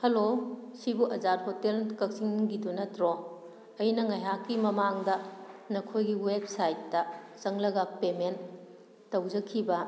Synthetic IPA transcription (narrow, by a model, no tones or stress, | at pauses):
hɐlosibuʔɐd͡ʒaɾhotelkɐk̚siŋɡidunɐtɾo | ɐjnɐŋɐjɦakːimɐmaŋdɐnɐkʰojɡiweb̚sajtːɐzɐŋlɐɡɐpemen | tːɐwd͡ʒɐkʰːibɐ